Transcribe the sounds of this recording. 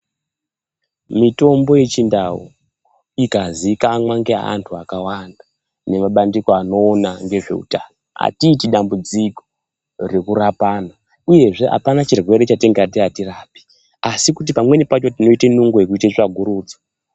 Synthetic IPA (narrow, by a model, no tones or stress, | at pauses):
mito̞mbo̞je̞t͡ʃindawo̰ | ikazikaːmwaŋɡea̰a̰ntʰuakawanda | ne̞maɓandiko̞ano̞ːnaŋɡe̞ʐe̞̰ṵtaːnoa̰tiːtiɗambud͡ziko | re̞kurapaːna | uje̞ʐe̞ʔa̰panat͡ʃirwe̞ɾet͡ʃateŋɡatiatiraːpi̥ | asikut̬ipamwe̞nipat͡ʃo̞tino̞itenuŋɡojek̬uitet͡ʂaɡʱuɾuːd͡zḁ